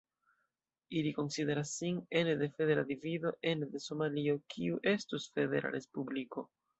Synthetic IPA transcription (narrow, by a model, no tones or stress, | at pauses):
iliko̞nside̞ɾasːinende̞fede̞ɾadivido̞ʔe̞nde̞so̞malio̞kʰiuʔe̞stusfe̞de̞̰ɾa̰ɾe̞spubliko̞